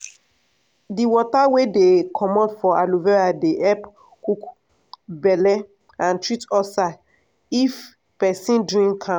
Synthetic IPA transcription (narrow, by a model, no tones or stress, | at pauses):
diwɔtawedekʰɔmɔ̃dfɔaluvɛɹadeʔɛp | kuk | bɛlɛ | ãntɹitɔsa | if | pɛsĩnduĩŋkʰã